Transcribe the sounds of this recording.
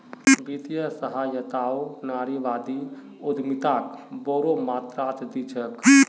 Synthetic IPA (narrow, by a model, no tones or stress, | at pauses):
bit̪ijəsəɦajət̪aonaɾiʋad̪i | od̪ʱmit̪akboɾomat̪ɾat̪d̪it͡ʃʰək